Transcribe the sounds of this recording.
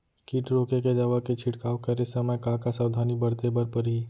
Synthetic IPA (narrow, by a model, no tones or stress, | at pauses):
kiːʈɾoːkeked̪aʋaket͡ʃʰɪʈkaːokɐɾesɐməjkaːkasaːwd̪ʱaːnibɐɾt̪ebɐɾpəɾɦi